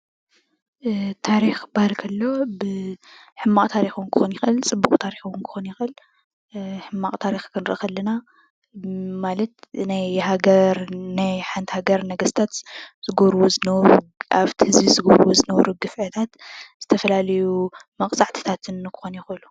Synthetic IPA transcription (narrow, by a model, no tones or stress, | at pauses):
t̪ʰaɾixbaɾkʰɐlːobɨ | ħɨmːaχʼt̪ʰaɾixnkʰɨ̥xonjɪxɨlt͡sʼɨbːuχʼt̪ʰaɾixuwnkʰɨ̥xonjɪxʔɨl | ħɨmːaχʼt̪ʰaɾixkʰɨnɾɨʔɨxɐlːɐna | malɐt̪najɦaɡɐɾnajħant̪haɡɐɾnɐɡɐst̪ʰat̪z̥ɨɡoɾwuzɨnɐβɾuaβt̪ʰhɨzizɨɡoɾwuzɨnɐβɾuɡɨfʕɨt̪ʰat̪z̥ɨt̪ʰɐfɐlalɐjumɐkʼt͡sʼaʕt̪ʰi̥t̪ʰat̪ʰɨnːkʰɨ̥xonjɪxɨlu